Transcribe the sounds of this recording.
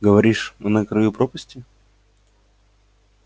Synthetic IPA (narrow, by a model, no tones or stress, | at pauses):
ɡəvɐɾʲiʂɨnəkɾɐjupɾopəsʲtʲɪ